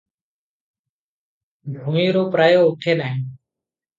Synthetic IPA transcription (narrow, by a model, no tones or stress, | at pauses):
bʱuŋiːɾoːpɾaːjoːʊʈʰeːnaːɦẽː